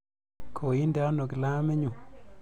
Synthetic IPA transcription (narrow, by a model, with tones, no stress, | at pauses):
kʰo˨i˦nda˨˦no˨kɪ˨la˦mɛ˦ɲu˨